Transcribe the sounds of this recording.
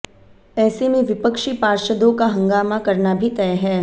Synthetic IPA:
ɛːsemẽʋɪpəkʃipaːɾʃəd̪õkaɦɐ̃ŋɡaːmakɐɾnabʱit̪ɛɦɛː

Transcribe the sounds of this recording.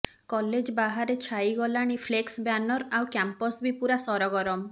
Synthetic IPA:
kɔled͡ʒbaɦaɾet͡ʃʰajɡɔlaɽ̃ipʰleksbjanɔɾawkjampɔsbipuɾasɔɾɔɡɔɾɔm

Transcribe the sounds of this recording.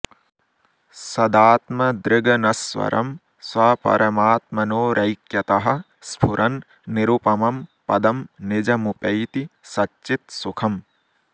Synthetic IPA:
sɐd̪aːt̪mɐd̪ɾɪɡɐnɐswɐ̰ɾʔɐ̰m | swɐpɐ̰ɾɐmaːt̪mɐnoːɾʔɐjkjɐt̪ɐɦɐ̆ | spʰuɾʔɐnː | iɾupɐmɐmpɐd̪ɐmnɪd͡ʒɐmupɐjt̪isɐtːt͡ʃit̪̚sukʰɐm

